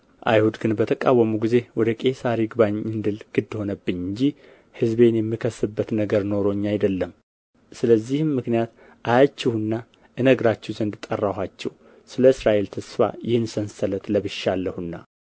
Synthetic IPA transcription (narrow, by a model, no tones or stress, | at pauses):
ʔa̰jhud̪ɡɨnbət̪ʰəkʼawːəmuɡize̞wɔd̪əkʼe̞saɾiɡɨβaɲɨnd̪ɨlɡ̥ɨd̪ːho̞nəbːɨnɨɲd͡ʒi | hɨzbe̞njɛmːikʰəsːɨbːət̪nəɡəɾno̞ɾo̞ɲːajd̪əlːəm | sɨləzːihmːɨknijat̪ | ʔajat͡ʃːɛhɨnːa | ʔɨnəɡɾat͡ʃːɛwzənd̪ɨt̪ʼːərːaɦat͡ʃːɛw | sɨləɨsɾaʔe̞lt̪ʰəsfa̰jɪhɨnsənsələt̪ləβɨʃalːəhunːa̰